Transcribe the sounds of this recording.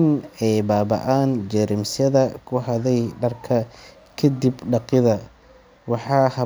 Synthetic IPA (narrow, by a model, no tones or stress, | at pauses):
nɛjbaːbɐ̰ʔaːnd͡ʒɛɾɪmsɐðɐkʰʊɦɐðɛjɖɐrkʰɐ | kʰɐd̪ibɖɑqɪðɐ | wɑħɑːhɐ